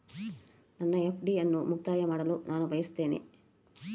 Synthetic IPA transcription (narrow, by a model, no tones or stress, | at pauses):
nɐnːɐepʰɖiɐnːumukt̪aːjɐmaːɽɐlunʔaːnubɐjɐst̪ːe̞ːnḛ